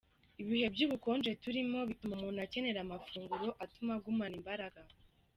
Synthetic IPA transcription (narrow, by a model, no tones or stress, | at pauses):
iβihe̞bɟuːβuko̞ːnd͡ʒe̞tuɾimo̞βitumomuːnhace̞ne̞ɾamafuːŋɡuɾo̞ʔatumaɡumanimbaɾaɡa